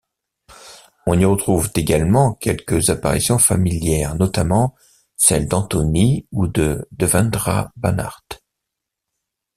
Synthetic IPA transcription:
ɔ̃niʁət̪χuvt̪eɡalmɑ̃kʲɛlkəzapa̰ʁisjɔ̃familjɛʁnɔt̪amɑ̃ | sɛld̪ɑ̃t̪ɔniud̪əd̪əvɛ̃nd̪ʁa̰bana̰ʁt̪

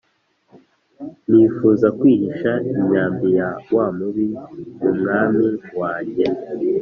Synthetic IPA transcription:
niːfuːzakwiːɾiʃaiɲaːmbijawamuβimumŋaːmiwaːɲɟe

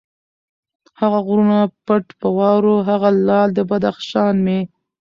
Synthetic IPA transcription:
haɣaɣɾunapəʈpəwɑwɾoɦaɣalɑld̪əbad̪axʃɑnme

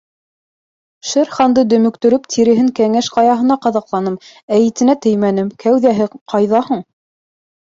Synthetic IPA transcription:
ʃɘɾχɑnd̪ɤd̪ɵ̆mɵ̆kt̪ɵ̆ɾɵpt̪ʰiɾɘ̆ɦɘŋkæŋæʃqɑjɑɦɤ̆nɑqɑðɑqlˠɑnɤmæjɘ̆t̪ɘ̆næt̪ɵjmænɘmkʰæwðæɦɘqʰɑjðɑhɤɴ

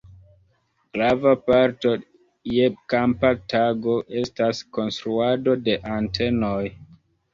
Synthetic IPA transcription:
ɡ̥ɾavapaɾto̞ | jeb̚kampatʰaɡo̞ʔe̞stasko̞nstɾuado̞de̞ʔantʰe̞noj

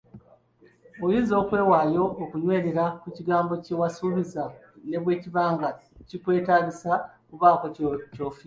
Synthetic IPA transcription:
ojiːzo̞ːkwe̞ːwaːjo̞ʔːkuɲwe̞ːɾeɾakuciɡaːmbo̞cewasuβizane̞βwe̞ːciβaːŋɡacikwe̞ːtaːɡisakuβaːkoco̞ːfi

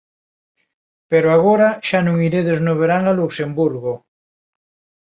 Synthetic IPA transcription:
peɾoaɣoɾaʃanũŋiɾeðeznoβ̞eɾaŋaluksembuɾɣo

